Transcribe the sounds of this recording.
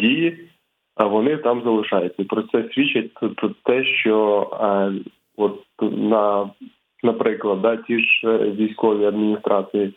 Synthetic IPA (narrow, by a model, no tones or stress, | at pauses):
dʲiji | ʋɔnɪt̪ɑmzɐlˠɪʃɑjʊt͡sʲːɐipɾɔt̪sɛsʲʋʲit͡ʃːɐt̚ʲt̪ʊt̪ʊt̪ːɛʃt͡ʃɔ | ɔt̪̚nɐ | nɐpɾɪklˠɐd̪ːɑtʲiʒʋʲijsʲkɔʋʲiɐd̪mʲinʲist̪ɾʔɑsɨji